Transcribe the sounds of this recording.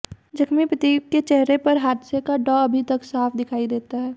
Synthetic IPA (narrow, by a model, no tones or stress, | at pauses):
d͡ʒɐkʰmipɾət̪iːkkːet͡ʃɛɦɾepɐɾɦaːd̪sekaɖɔːɐbʱit̪ɐksaːfʰd̪ɪkʰaːid̪eːt̪aɦɛː